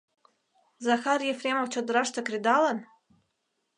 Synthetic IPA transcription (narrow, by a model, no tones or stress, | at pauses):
zaxaɾjefɾemowt͡ʃod̪ɾaʃt̪akɾid̪alan